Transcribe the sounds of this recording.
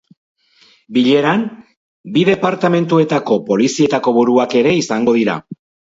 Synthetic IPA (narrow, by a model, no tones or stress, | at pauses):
biʎe̞ɾam | bið̞e̞paɾt̪ame̞nt̪ue̞t̪ako̞po̞lisie̞t̪ako̞βuɾuake̞ɾe̞isaŋɡo̞ðiɾa̰